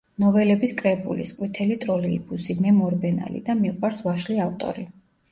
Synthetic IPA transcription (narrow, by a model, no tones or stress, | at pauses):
nɔvɛlɛbiskʼɾɛbʼulisqʼwit̪ʰɛlit̪ʼɾɔlibusimɛmɔɾbɛna̰lḭd̪amiqʼwaɾsvaʃliaft̪ʼɔ̰ɾi